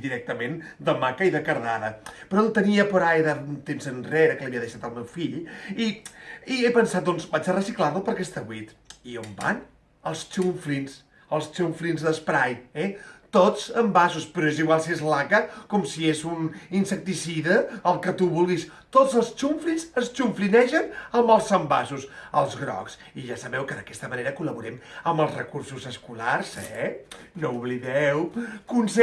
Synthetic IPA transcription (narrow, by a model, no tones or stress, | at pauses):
d̪iɾɛk̚t̪əmend̪əmakəiðəkəɾðaðəpɾɔnt̪əniəpəɾajðəunt̪emzənreɾəkələβiəðəʃat̪əlˠmewfiʎiiepənsat̪̚d̪ɔnzbat͡ʃərəsiklaɾəpəɾkɛst̪əβwit̪iomba̰ɲ | əlˠst͡ʃuɱflins | əlˠst͡ʃuɱflinzðəspɾajɛt̪ot͡səmbasuspɾɔeziɣwalˠsiezlaɣəkɔmsiezuninsək̚t̪isiðəːlˠkət̪uβulˠɣis | t̪ozəlˠst͡ʃuɱflinsəst͡ʃuɱflinɛʃənəmbəlˠsəmba̰susəlˠzɣɾɔ̰ks | iʒasəβɛwkəðəkɛst̪əməneɾəkuləβuɾɛməməlˠzrə̰kursuzəskularz̥ɛnouβliðɛwkuns